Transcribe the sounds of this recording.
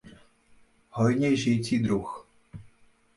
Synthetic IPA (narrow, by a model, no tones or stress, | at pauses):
hɔjɲɛjʒɪjt͡siːd̪ɾux